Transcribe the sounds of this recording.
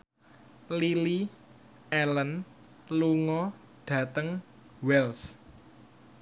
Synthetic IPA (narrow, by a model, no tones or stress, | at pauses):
lili | ɛlən | luŋɔ | ɖ̥ä̤t̪əŋ | wɛls